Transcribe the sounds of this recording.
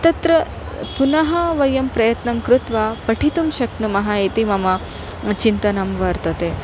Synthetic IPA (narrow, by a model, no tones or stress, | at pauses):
ɐt̪ɐt̪ɾɐ | punɐɦɐʋɐjɐmpɾɐjɐt̪nɐmkɾut̪ʋaːpɐʈʰit̪umʃɐknumɐɦait̪imɐmɐ | t͡ʃint̪ɐnɐmʋɐɾt̪ɐt̪e